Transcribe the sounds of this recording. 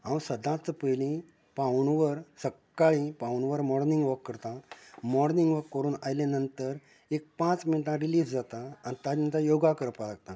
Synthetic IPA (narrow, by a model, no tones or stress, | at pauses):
ɦãʋ̃səd̪ãt͡səpəjlĩ | pãɳʋəɾsəkːaɭĩpãʋuɳʋəɾmɔɽnĩŋɡʋəkːəɾt̪ãmɔɽniŋɡʋəkːəɾuːnajlanənt̪əɾ | ek̚pãt͡sminʈãɾiliːsd͡zat̪ãːñit̪ãd͡ʑnt̪ãjoɡakəɾpalaɡ̚t̪ã